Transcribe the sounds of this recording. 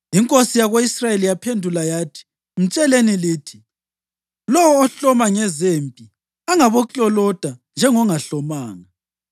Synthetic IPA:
iŋkʼosijaɣoisrajelijapʰendʱulajaːtʰi̥ | m̩t͡ʃʼɛleniliːtʰi | lɔwɔːɬɔmaŋɛzempʼi | aŋaβɔkʼɔlɔd̥ʱand͡ʒʱɛŋɔŋaɬɔmaːŋa

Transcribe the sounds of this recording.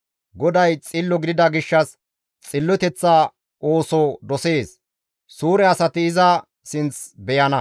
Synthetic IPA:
ɡɔd̪ɐjt͡sʼɪlːɔɡɪd̪ɪd̪ɐɡɪʃːɐs | t͡sʼɪlːɔt̪ɛt͡sːaː | oːsɔd̪ɔse̞ːs | suːɾɛɐsɐt̪ɪːzɐ | sɪnt͡sbɛjɐnɐ

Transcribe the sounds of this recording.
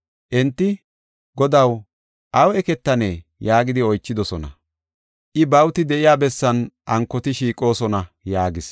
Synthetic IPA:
ʔɛnt̪ːɪ | ɡɔd̪ɐw | ʔɐwɛkɛt̪ːɐneːjaːɡɪd̪ɪɔjt͡ʃːɪd̪ɔsɔnɐ̰ | ʔɪbɐwt̪ɪd̪ɛʔɪjaːbɛsːɐnʔɐŋkːɔt̪ɪʃiːkʼo̞ːsɔnɐ | jaːɡɪs

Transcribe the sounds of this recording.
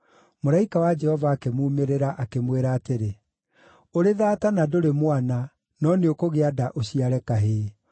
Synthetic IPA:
moɾaikawad͡ʒɛhɔvaːkemuːmeɾeɾaʔakemweɾaːteɾe | oɾeðaːtanadoɾemwana | nɔneokoɣeadaʔoɕiaɾɛkaɦeː

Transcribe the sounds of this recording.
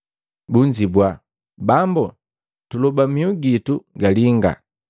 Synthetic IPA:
buɲd͡ʒibwa | bambɔ | tulɔbamiuɡituɡaliŋɡa̰

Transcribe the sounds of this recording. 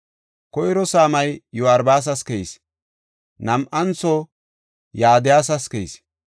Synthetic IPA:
kɔjɾɔsaːmɐjjʊɐɾbaːs̬ɐskɛjs | nɐmʔɐnt͡sɔ | jaːd̪ɪjaːs̬ɐskɛjs

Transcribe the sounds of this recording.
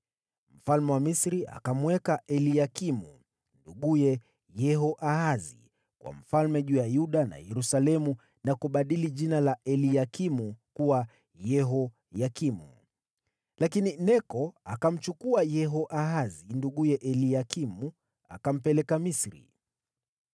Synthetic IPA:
m̩falmɛwamisɾiʔa̰kamwɛkaʔɛlijakimuu | nduɠujɛ | jɛɦɔʔaɦazḭ | kwa̰m̩falmɛʄuːjajuɗana̰jɛɾusalɛmu | nakuɓaɗiliʄinalaʔɛlijakimukuwa | jɛɦɔ | jakimṵ | lakininɛkɔakam̩t͡ʃukuajɛɦɔʔaɦazinduɠujɛʔɛlijakimu | a̰kam̩pɛlɛkamisɾḭ

